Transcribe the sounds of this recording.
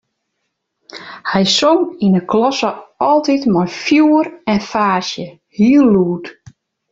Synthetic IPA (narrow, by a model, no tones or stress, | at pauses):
hɛjsoŋinəklɔsəɔlˠtitmɔjfjuːərɛnfaːsjə | hiəlːuːt